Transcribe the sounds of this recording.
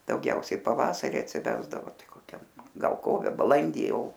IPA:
dɐʊˈɡʲɛʊsʲɛɪ pɐˈʋɑːsɐrʲɪ ɐtʲsʲɪˈʋʲæːzdɐʋoː ˈtɐɪ koːˈkʲɛm ɡɐlˠ ˈkoːʋʲɛ bɐˈlˠɐnʲdʲiː ˈjɛʊ

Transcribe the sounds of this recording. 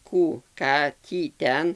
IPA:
ˈkuː ˈkɑː ˈtʲiː ˈtʲɛn

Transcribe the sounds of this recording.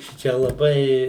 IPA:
ˈʃʲɪt͡ʃʲɛ lˠɐˈbɐɪ

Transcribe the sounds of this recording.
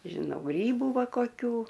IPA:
ʒʲɪˈnɐʊ ˈɡrʲiːbʊ ˈʋɐ koːˈkʲuː

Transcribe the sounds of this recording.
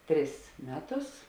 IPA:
ˈtʲrʲɪs ˈmʲæːˌtʊs

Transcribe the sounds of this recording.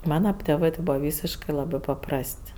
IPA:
ˈmɑːnɐ tʲeːˈʋɜ tʲɪ ˈbuːʋɐ ˈʋʲiːsʲɪʃkɜ ˈlˠɑːbɜ pɐˈprɐsʲtʲ

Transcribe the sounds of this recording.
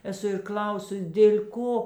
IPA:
ɛˈsʊ ɪr ˈklʲɐʊsʊs dʲeːlʲ ˈkoː

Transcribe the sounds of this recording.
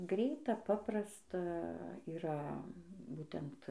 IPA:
ˈɡrʲɛɪtɐ ˈpɑːprɐstɐ iːˈrɐ ˈbuːtʲɛnt

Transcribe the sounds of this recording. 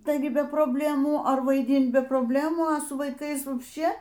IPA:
tɐɪˈɡʲɪ bʲɛ proːbʲˈlʲæːmuː ɐr ʋɐɪˈdʲɪnt bʲɛ proːbʲˈlʲæːmuː ɐ ˈsʊ ʋɐɪˈkɐɪs ʋɐpʲʃʲˈt͡ʃʲeː

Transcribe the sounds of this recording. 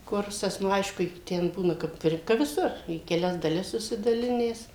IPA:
ˈkʊrsɐs nʊ ˈɐɪʃkʊ ɪ ˈtʲɛn ˈbuːnɐ kɐp ˈɪr kɐ ʋʲɪˈsʊr iː kʲɛˈlʲɛs dɐˈlʲɪs sʊsʲɪdɐˈlʲɪnʲæːs

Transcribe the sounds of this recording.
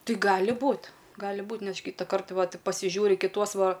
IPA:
ˈtɐɪ ˈɡɑːlʲɪ ˈbuːt ˈɡɑːlʲɪ ˈbuːtʲ ˈnʲɛʃ ˈkʲiːtɐkɐrt ˈʋɐt pɐsʲɪˈʒʲuːrʲɪ kʲɪˈtuɔs ˈʋɐ

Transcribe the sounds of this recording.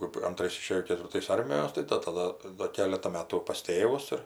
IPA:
kɜp ɐnˈtrɐɪs ɪˈʃʲeːjoː kʲɛtʲʋʲɪrˈtɐɪs ˈɐrʲmʲɪjoːs ˈtɐɪ dɐ tɐˈdɐ doː ˈkʲæːlʲɛtɐ ˈmʲæːtʊ pɐs ˈtʲeːʋʊs ɪr

